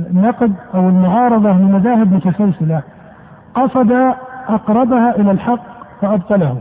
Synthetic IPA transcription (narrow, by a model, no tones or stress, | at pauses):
nːɑqd̪ʔawɪlmʊʕɑːɾˤɑðˤɑlɪmaðaːhɪbmʊt̪asalsɪla | qɑsˤɑd̪aʔɑqɾˤɑbahaʔɪlalħɑqːfaʔɑb̚t̪ˤɑlahu